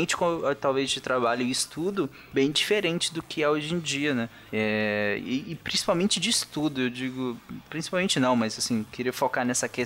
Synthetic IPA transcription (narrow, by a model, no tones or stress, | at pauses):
ẽnt͡ʃɪ̥kõʊt̪awvezt͡ʃɪt̪ɾabaʎɐist̪ud̪ʊ | bẽj̃d͡ʒifeɾẽnt͡ʃɪd̪ʊkʰɪɛoʒẽd͡ʒiɐnɛ | ɛɪːpɾʲĩsi̥pawmẽnt͡ʃɪd͡ʒɪːst̪ud̪ʊewd͡ʒiɡʊpɾĩsi̥pawmẽnt͡ʃɪnɐ̃w̃mɐzasĩkeɾiɐfokaɾnɛsɐke